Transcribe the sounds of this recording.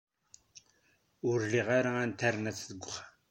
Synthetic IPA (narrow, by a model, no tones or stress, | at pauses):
ʊɾliʁaɾaænt̪æɾnæt͡sðəɡʷːχa